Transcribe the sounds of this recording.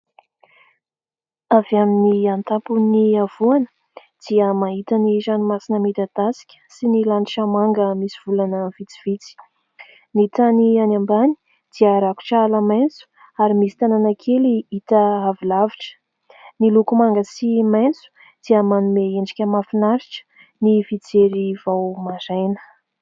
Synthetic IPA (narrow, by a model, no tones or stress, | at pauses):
avaminiant̪apuniav̥uanə̥ | d̪̥iəmaɦit̪ənizanimasinəmit̪ad̪asi̥kʲə̥sinilaniʈ͡ʂəmaŋɡəmisiv̥ulanəv̥it͡si̥v̥it͡si̥ | nit̪anianambani̥ | d̪̥iəɾaku̥ʈ͡ʂaləmant͡su̥ | aɾimisi̥t̪ananakʰeliit̪əavilaviʈ͡ʂə̥ | nilukumaŋɡəsimajnt͡su̥ | d̪̥iəmanumeeɳɖ͡ʐikʲəmafinaɾiʈ͡ʂə̥ | nivit͡seɾivawmazajnə̥